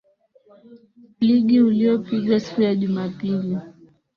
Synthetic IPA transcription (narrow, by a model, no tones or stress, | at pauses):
liɠiuliɔpiɠwasi̥kuɾjaʄumapili